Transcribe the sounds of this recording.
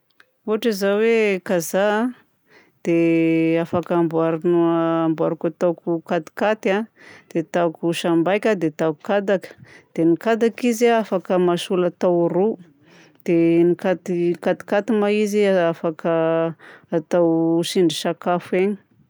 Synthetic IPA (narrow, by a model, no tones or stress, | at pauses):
uɦaʈ͡ʂizawekazaa | d̪̥eafakambuaɾunuːmbaɾikat̪awkukat̪i̥kat̪ad̪̥et̪akuʃambajkʲad̪et̪akukad̪akə̥d̪̥enikad̪akizaafakəmasulat̪awru | d̪̥enikat̪ikat̪i̥kat̪imaiziaafakə | at̪awʃiɳɖ͡ʐisakafeɲi̥